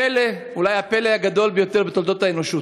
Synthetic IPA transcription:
ele | ulajhapeleajaɡad̪o̞lbejo̞t̪eʁbet̪old̪o̞t̪haeno̞ʃu

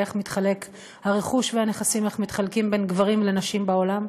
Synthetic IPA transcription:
eχmit̪χale̞k | haʁe̞χuʃvehane̞χasime̞χmit̪χalkimbe̞nɡvaʁimle̞naʃimbaolam

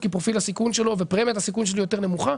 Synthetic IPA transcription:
kipʁofilhasikunʃe̞lo̞vepʁemet̪asikunʃe̞lijo̞t̪e̞ʁnemuχa

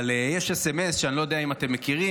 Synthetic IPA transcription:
lejeʃesemesʃeanilo̞jo̞d̪eaimat̪e̞mːekiʁi

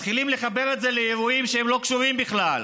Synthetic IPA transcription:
t̪χilimle̞χabe̞ʁet̪ze̞lejeʁuimʃeemlo̞kʃuvimbiχlal

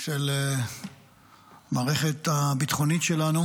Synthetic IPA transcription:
ʃel | maːʁeχet̪abit̪χo̞nitʃelanu

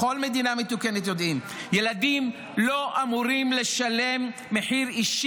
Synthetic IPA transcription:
o̞lme̞d̪iname̞t̪ukenet̪jo̞d̪ʔim | je̞lad̪im | lo̞ʔamuʁimle̞ʃale̞mː | eħiʁiʃ

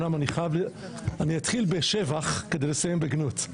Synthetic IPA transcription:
namaniχajavl | aniat̪χilbeʃevaχkedejlesajembeɡnut

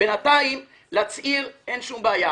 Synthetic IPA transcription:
enataim | lat͡sʔiʁenʃumbeaja

